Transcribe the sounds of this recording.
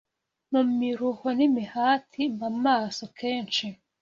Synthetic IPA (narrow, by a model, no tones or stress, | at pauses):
mumiɾuhonimihaːtʰimamaːsokʰeːnt͡ʃi